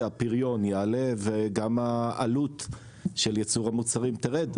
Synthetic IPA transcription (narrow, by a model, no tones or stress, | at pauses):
apiʁjo̞njeale̞veɡamaʔalut | ʃeljet͡suʁamut͡saʁimt̪eʁed